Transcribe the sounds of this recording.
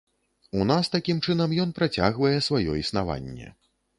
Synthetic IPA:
unast̪akʲimt͡ʂɨnɐmjɔn̪pɾat͡sʲa̰ɣvɐjɛsvajɔisnava̰nʲːɛ̰

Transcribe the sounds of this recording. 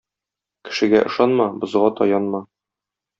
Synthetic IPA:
kɘ̥̆ʃɘ̆ɡæʔɤ̆ʃɑnmɑbŏzʁɑt̪ɒjɑnmɑ

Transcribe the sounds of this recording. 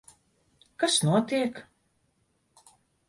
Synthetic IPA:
kasnuɔt̪iɛk

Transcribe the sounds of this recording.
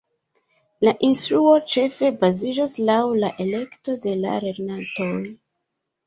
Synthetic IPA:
laʔinstɾuo̞t͡ʃe̞fe̞bazid͡ʒoslawlaʔe̞le̞kto̞de̞la̰ɾe̞ɾnatoj

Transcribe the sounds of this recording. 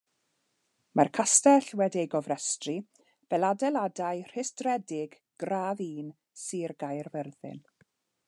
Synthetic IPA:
mʔarkʰastɛɬwɛdiejɡɔvrɛstri | b̥ɛladɛladajr̥ɪsdrɛdɪɡ | ɡ̥raːðiːn | siːrɡajrvɛrðɪ̰n

